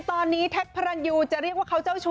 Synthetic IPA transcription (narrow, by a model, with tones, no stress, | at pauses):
t̪ɔː˧nːiː˦˥t̪ʰɛ˦˥t̚pʰa˧ɾa˧njuː˧t͡ɕa˨˩ʔɾi˥˩ək̚waː˥˩kʰa˦˥wt͡ɕa˥˩wt͡ɕʰu˧